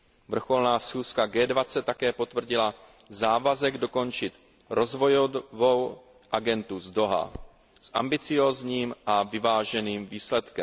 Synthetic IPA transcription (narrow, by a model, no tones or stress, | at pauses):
vr̩xo̞lnaːsxuːskaɡɛːdvat͡sɛt̪ːakɛːpo̞t̪vr̩ɟɪla | zaːvazɛɡdo̞ko̞nt͡ʃɪt̪ | ɾo̞zvo̞jovo̞w | ʔaɡɛnt̪uzdo̞ɦa̰ | sʔa̰mbɪt͡sɪjo̞ːzɲiːmʔavɪvaːʒɛniːmviːslɛt̪kɛm